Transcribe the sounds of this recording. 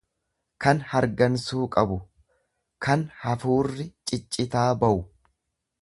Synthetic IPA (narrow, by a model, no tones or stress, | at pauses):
kɐnhɐɾɡɐnsuːkʼɐbʊ | kʰɐnhɐfuːrːɪt͡ʃʼɪt͡ʃʼːɪt̪aːbɐʔʊ